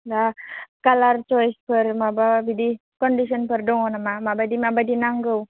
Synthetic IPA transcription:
lakalart͡ʃɔjspərmabaabidi | kɔndis̬ɔnpərdɔŋɔnamamabadimabadinaŋɡəw

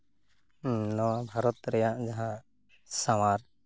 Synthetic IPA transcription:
nɔwabʱaɾɔt̪ɾɛjaʔd͡ʒaɦã | samaɾ

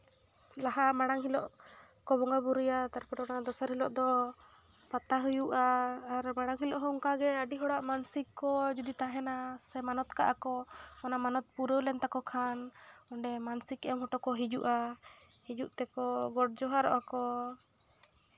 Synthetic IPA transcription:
laɦaʔmaɽaŋɦilɔʔ | kɔbɔŋɡabuɾujat̪aɾpɔɾɔɔnad̪ɔsaɾhilɔʔd̪ɔ | pat̪aɦujuʔaːɾmaɽaŋɦilɔʔɦɔɔŋkaɡɛəɖiɦɔɽaʔmansikːɔd͡ʒud̪it̪aɦɛnasɛmanɔt̪ka̰ʔakɔɔnamanɔt̪̚puɾəlɛnt̪akɔkʰanɔɳɖɛmansikɛmɦɔʈɔkɔɦid͡ʒuʔa | hid͡ʒuʔt̪ɛkɔɡɔʈ̚d͡ʒɔɦaɾɔ̰ʔakɔ

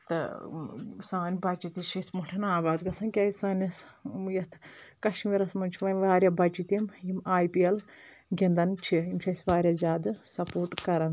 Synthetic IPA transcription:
t̪ɨ̰ | saːnʲbɐt͡ʃit̪iʃʰit̪ʰmuʈʰɐnaːbaːd̪ɡɐsɐnkʲɐːsɐːnʲisjɐt̪ʰkɐʃmiɾɐsmɐnt͡ʃʰiʋɐnʲʋaːɾʲjabɐt͡ʃit̪imjimaːjpiɐl | ɡʲind̪ɐnt͡ʃʰiimt͡ʃʰʲɐsʲʋaːɾʲjaːzʲaːd̪ɨsɐpoːɾʈkɐɾɐn

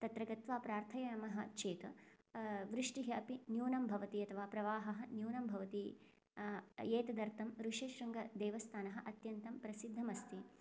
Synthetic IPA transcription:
t̪ɐt̪ɾɐɡɐt̪ʋaːpɾaːɾt̪ʰɐjɐnɐmɐɦɐ̆t͡ʃʰeːt̪ɐ | ʋɾɪʂʈiɦɐɐpinjuːnɐmbʱɐʋɐt̪iɐt̪ʰɐʋaːpɾɐʋaːɦɐɦɐ̆njuːnɐmbʱɐʋɐt̪i | eːt̪ɐd̪ɐɾt̪ɐmɾuʂeːʃɾɐŋɡɐd̪ɛːʋɐst̪ʰaːnɐɦɐʔɐt̪jɐnt̪ɐmpɾɐsid̪ʱːɐmɐst̪ʰi

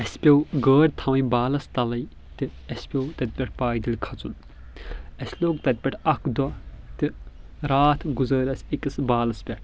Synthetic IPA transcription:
ɐsʲpʲɐwɡəːɾʲt̪ʰɐʋɐjbaːlɐst̪ɐlɐj | t̪ɨɐsʲpʲɐwt̪ɐt̪̚ʲpʲɐʈʰpaːjd̪ilʲkʰɐt͡sṵn | ɐsʲloːkt̪ɐt̪̚ʲpʲɐʈʰɐkʰd̪ɔt̪ɨ | ɾaːt̪ʰɡuzəːɾʲɐsʲikɨsbaːlɐspʲɐʈʰ

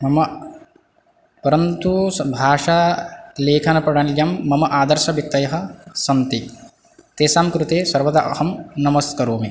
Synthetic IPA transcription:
mɐmɐ | pɐɾɐnt̪ubʱaːʂaleːkʰɐnɐpɐɽaːnljamːɐmɐʔaːd̪ɐɾʃɐbjɐk̚t̪ɐjɐɦɐ̆sɐnt̪i | t̪eːsaːmkɾut̪eːsɐɾʋɐd̪a̰ʔhɐmnɐmɐskɐɾoːme

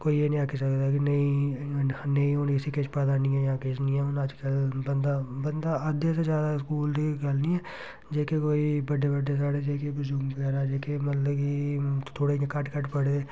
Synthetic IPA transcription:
koːienĩakesəkd̪ak̬inɐĩ | nəĩɦoːnkɪsiket͡ʃpəd̪anĩɦɛjãket͡ʃnĩɛonəd͡ʒkəlbənd̪abənd̪aəd̪jesed͡ʒjaːd̪aɪskuːld̪ikɐlnĩɛː | d͡ʒeːkekoːibəɖebəɖes̬aːɽed͡ʒeːkebʊd͡ʒuːmkɛːɾaːd͡ʒeːkemɐt̪ləbkit̪ʰoːɽeekɐʈkəʈʰpəɽeː

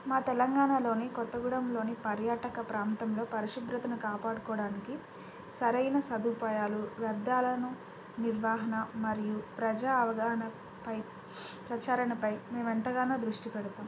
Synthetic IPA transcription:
maːt̪ɛlɐŋɡaːɳaːlo̞ːnikɔt̪ːɐɡuɽɐmlo̞ːnipɐɾjaːʈɐkɐpɾaːnt̪ɐmlo̞ːpɐɾiʂib̪ɾɐt̪ɐnukaːpaːɽukɔːɽaːniki | sɐɾɐjnɐsɐd̪upaːjaːluʋɐɾd̪aːlɐnu | niɾʋaːɦɐnɐmɐɾijupɾɐd͡ʒaːɐʋɐɡaːɦɐnɐ | pɐj | pɾɐt͡ʃaːɾɐnɐpɐjme̞ːment̪ɐɡaːnaːd̪ɾuʂʈipɛɽut̪aːm

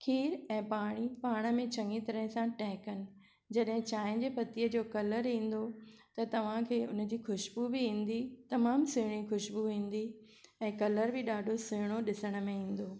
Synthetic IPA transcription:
kʰiːɾɛ̃ːpaːɽ̃ipaːɽ̃ə̆mẽt͡ɕɐ̃ŋɡit̪ɐɾəɦɪ̃sãʈɛːkənɪ̆ | d͡ʑɐɗɦɪ̃t͡ɕaːɪ̃d͡ʑeːpɐt̪iːəd͡ʑoːkɐləɾɦĩːn̆d̪ot̪ɐt̪ɐʋ̤ãkʰeːʊnəd͡ʑiːxʊʃbubɪĩːn̆d̪it̪ɐmaːmsʊɦɪɽ̃ixʊʃbuɦĩːn̆d̪i | ɛ̃ːkɐləɾbɪɗaːɖʱosʊɦɪɽ̃oɗɪsəɽ̃əmẽĩːn̆d̪oː

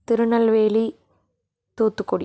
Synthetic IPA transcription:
t̪ɪɾɯɳɐlʋeːli | t̪uːt̪ːɯkːɔɽ

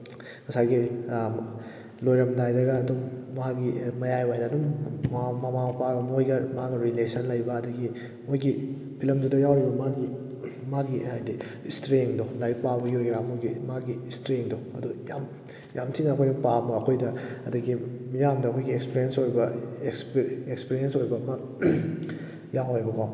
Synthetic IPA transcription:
mɐsaɡi | lojɾɐmdajdɐɡɐːdumːɐɦaɡimɐjajwajdɐːdumːamɐmamɐpʰaɡɐmojɡɐmaɡɐɾilesɐnlɐjbɐːdɐɡi | mojɡi | pʰilɐmdudɐjawɾibɐmaɡi | maɡihajdistɾeŋdolajk̚pabɐjojɡɾamojɡimaɡistɾeŋdoɐduja̰m | jamtʰinɐɐkʰojnɐpabɐːkʰojdɐɐdɐɡimijamdɐkʰojɡiekspiɾijensoɾibɐekspekspiɾiensojbɐmɐ | jawojbɐkʰa

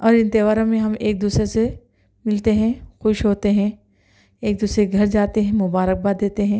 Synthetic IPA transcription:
ɔːɾɪ̃nt̪eʋaːɾõmẽɦɐmeːk̚d̪uːsɾese | mɪlt̪eɦɛ̃xʊʃɦoːt̪eɦɛ̃ | eːk̚d̪uːsɾeɡʱɐɾd͡ʒaːt̪eɦɛ̃mʊbaːɾək̚baːd̪eːt̪eɦɛ̃

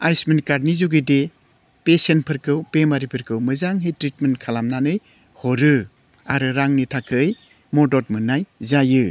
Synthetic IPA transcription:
ajsminkaɾnizuɡide | pesenpʰɯɾkɯwpemaɾipʰɯɾkʰɯwmɯzaŋɦitɾit̚menkʰalamnanɯj | hoɾɯ | aɾɯɾaŋnitʰakʰɯj | mɔdɔt̚mɯnajzajɯ

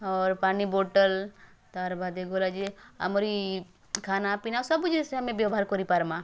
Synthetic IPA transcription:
ɔːɾpaːniboːʈəl | t̪aːɾbad̪eɡolad͡ʒeɐ̰moɾi | kʰaːnapinasɐbud͡ʒeseɦɐmẽbjaɦaːɾkɔɾipaɾma

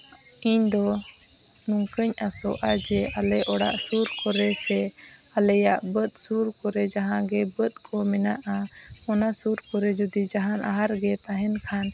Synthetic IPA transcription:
iɲd̪ɔ | nɔŋkəɲasɔ̰ʔad͡ʒɛʔalɛʔɔɽa̰ʔsuɾkɔɾɛsɛ | alɛjaʔbət̪̚ˀsuɾkɔɾɛd͡ʒaɦãɡɛbət̪̚ˀkʰɔmɛnaʔa | ɔnasuɾkɔɾɛd͡ʒɔd̪id͡ʒaɦãnʔa̰ɦaɾɡɛt̪aɦɛnkʰan

